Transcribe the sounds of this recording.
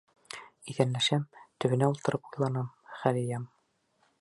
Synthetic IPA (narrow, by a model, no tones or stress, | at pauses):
iðænlæʃæmt̪ɵ̆βɘ̆næulˠt̪ɤ̆ɾʔɤpujlˠɑnɑmχælɘ̆jæm